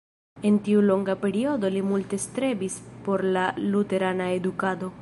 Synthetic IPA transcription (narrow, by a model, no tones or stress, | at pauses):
e̞ntiulo̞ŋɡape̞ɾio̞d̪o̞limult̪e̞st̪ɾe̞bispo̞ɾlalut̪e̞ɾanaed̪ukad̪o̞